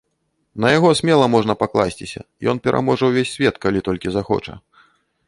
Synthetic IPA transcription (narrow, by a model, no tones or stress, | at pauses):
nɐjaɣɔsʲmʲɛlˠɐmɔʐnɐpaklˠasʲt͡sʲisʲɐ̰ | jɔ̰n̪pʲɛɾʔa̰mɔʐɐwvʲesʲːvʲɛt̪kalʲit̪ɔlʲkʲizaxɔ̰t͡ʂɐ̰